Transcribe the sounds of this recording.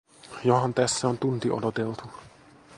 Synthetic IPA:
johɑnt̪æsːæont̪unt̪iʔo̰dot̪elt̪u

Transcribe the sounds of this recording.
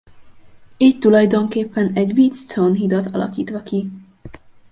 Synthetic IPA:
iːct̪ːulɒjd̪o̞ŋkeːpːɛnɛɟʋiːt̪st̪onɦid̪ɒt̪ɒlɒ̰kiːt̪ʋɒki

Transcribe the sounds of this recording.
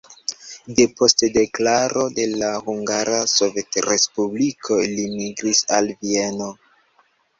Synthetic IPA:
de̞po̞stde̞klaɾo̞de̞lahuŋɡaɾaso̞ve̞tɾe̞spublikʰo̞limiɡɾisalvie̞no̞

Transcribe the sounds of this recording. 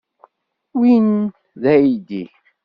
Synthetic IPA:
win | ðæjid̪i

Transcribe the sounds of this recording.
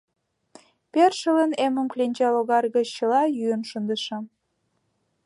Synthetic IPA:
perʃə̆ləneməmklʲenʲd͡ʑɑloɣɑrɣə̆t͡ɕt͡ɕə̆lɑjyənʃənd̪əʃə̆

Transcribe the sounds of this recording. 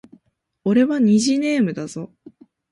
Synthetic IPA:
o̞ɾe̞βaɲ̟iʑine̞ːmɯ̟d̪azo̞

